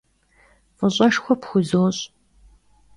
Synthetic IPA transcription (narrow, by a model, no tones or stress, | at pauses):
fɨɕʼɐʃxʷɔpxʷʊzoːɕʼ